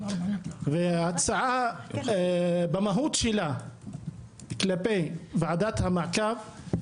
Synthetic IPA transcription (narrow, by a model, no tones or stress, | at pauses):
veat͡saʕa | bamaɦut̪ʃela | klapevaʕad̪at̪hamaʕkav